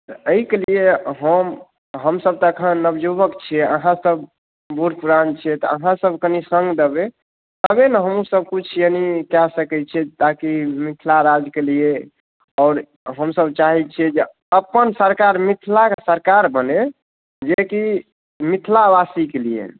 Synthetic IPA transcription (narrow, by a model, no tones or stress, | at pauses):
t̪ɔəikelieɦəm | ɦəmsəb̚t̪əəkʰənnəbd͡ʒubəkt͡ʃʰiɛəɦãsəb | buɾpuɾant͡ʃʰiɛt̪ɔəɦãsəbkənisəŋɡd̪ebe | t̪əbenəɦəmusəb̚kut͡ʃʰjənikɛsəkɛt͡ʃʰɛt̪akimit̪ʰlaɾad͡ʒkelie | ɔːɾ | ɦəmsəbt͡ʃaɦit͡ʃʰiɛd͡ʒe | əpənsəɾkaɾmit̪ʰlakesəɾkaɾbəne | d͡ʒeki | mit̪ʰlabasikeliḛ